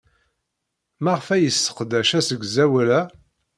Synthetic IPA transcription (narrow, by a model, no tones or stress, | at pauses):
mæʁfæjəsːə̥qd̪æʃæsəɡʷzæwælæ